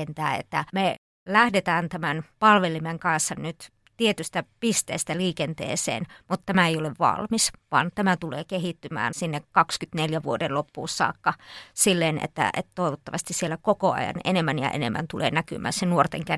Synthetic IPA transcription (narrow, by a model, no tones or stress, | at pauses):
ent̪æːḛt̪ːæme | læhdet̪æːnt̪æmænpɑlʋelimeŋkɑnsːɑnyt̪ | t̪iet̪yst̪æpist̪ḛːst̪æliːkent̪ḛːsḛːnmut̪t̪æmæeijoleʋʋɑ̰lmisʋɑ̰ːnt̪æmæt̪ulḛːkeɦit̪ːymæ̰ːnsinːekkɑkskyt̪neljæʋuodelopːṵːsːɑ̰ːkːɑsilːeːnḛt̪ːæ̰ḛt̪t̪oiʋot̪ːɑʋɑst̪issielːækokoɑ̰jɑ̰nḛnemːænjɑ̰ʔḛnḛmːæ̰nt̪ulḛːnæky̰mʔæ̰ːsenuort̪eŋkæ